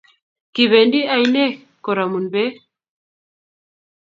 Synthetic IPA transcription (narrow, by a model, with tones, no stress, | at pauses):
ki˨βɛ˨ndi˦a˨jnɛ˦ | kɔ˨ɾa˨mu˨nbɛ˦